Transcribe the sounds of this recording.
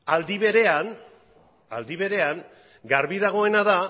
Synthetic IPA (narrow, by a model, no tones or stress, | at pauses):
ald̪iβe̞ɾe̞an | a̰ld̪iβe̞ɾe̞aŋ | ɡaɾβiðaɣ̞o̞e̞naða